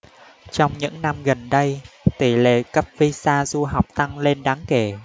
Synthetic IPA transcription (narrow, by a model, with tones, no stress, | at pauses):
t͡ɕɔ˧wŋ͡mɲɨ̰˧˥ŋna˧mɣə˨˩nɗə˧jt̪i˧˩lḛ˧˨kə˦˥p̚vi˧saː˧zu˧ɦa˨˩wk͡p̚t̪a˧ŋle˧nɗaː˨˦ŋke˧˩